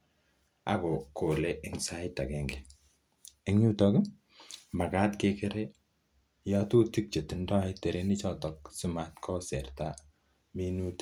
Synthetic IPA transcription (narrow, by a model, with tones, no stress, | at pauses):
a̰˦kɔ˨ko˨le˦ʔɪ˨ŋsa˦ɪ˦ta˨kɛ˨ŋɡɛ˨ | e˦ŋɲu˦tɔ˦ki˦ | ma˨ka˦tke˦ke˦ɾe˦ | ja˦tu˦ti˦k̚t͡ʃe˨ti˨ndɔ˦ɪ˦te˨ɾe˦ni˦t͡ʃɔ˦tɔ˨k̚si˦ma˨tkʰɔ˦sɛ˨rta˦ | mi˦nu˦t